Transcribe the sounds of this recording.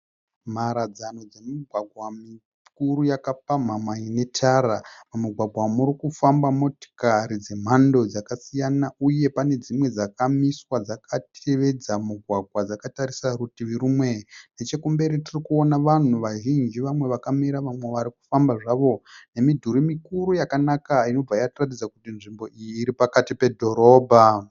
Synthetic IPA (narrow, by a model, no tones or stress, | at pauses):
maɾad͡zano̞d͡ze̞miɡʱwaɡʱwami | kuɾujakap̚amamaine̞tʰaɾamamuɡʱwaɡʱwamuɾikufambamo̞to̥kaɾid͡ze̞m̤ando̞d͡zakasijanauje̞pane̞d͡zimwe̞d͡zakamiswad͡zakatʰe̞ʋe̞d͡zamuɡʱwaɡʱwad͡zakataɾisaɾutiʋiɾumwe̞net͡ʃe̞kumbe̞ɾitirikuonaʋan̤uʋaʒind͡ʒiʋamwe̞ʋakamiɾaʋamwe̞ʋaɾiku̥fambaʐaʋo̞ne̞midʱuɾimikuɾujakanakaino̞b͡vaijatirat̬id͡zakutinʐimbo̞ʔijiːɾipakatipe̞dʱo̞ɾo̞ːbʱa